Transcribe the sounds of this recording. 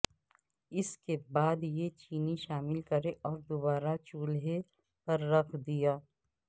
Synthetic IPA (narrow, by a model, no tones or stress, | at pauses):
ɪskebaːd̪jet͡ʃiːniʃaːmɪlkɐɾeʔɔːɾd̪oβaːɾat͡ʃuːlɦe | pɐɾːɐkʰd̪ijaː